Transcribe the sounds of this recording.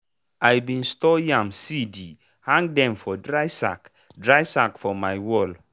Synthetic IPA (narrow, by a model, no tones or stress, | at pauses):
ajbĩnstɔjãmsidi | hãŋɡdɛ̃mfɔdɹajsa̰k | dɹajsakfɔmajwɔl